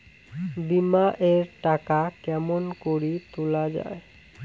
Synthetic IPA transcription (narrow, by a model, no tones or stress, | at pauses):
bimaʔeɾʈakakɛmonkoɾit̪ulad͡ʑa̰e